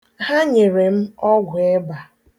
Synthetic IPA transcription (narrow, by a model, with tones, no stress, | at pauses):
ɦa˦ɲe˨ɾe˨m̩˦ɔ˦ɡʷʊ˨e˦ba˨